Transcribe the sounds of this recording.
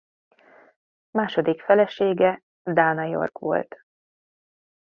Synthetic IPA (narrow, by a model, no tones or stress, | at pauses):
maːʃod̪ikfɛlɛʃeːɡɛ | d̪aːnɒjo̞̰rkʋo̞̰lt̪